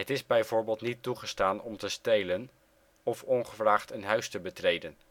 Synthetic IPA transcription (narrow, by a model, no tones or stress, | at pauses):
ɦətɪzbɛjvʊːɹbeːlˠtnitːuχəstaːnɔmtəstejlən | ɔfɔnχəvraːχtənɦœɥstəbətrejdən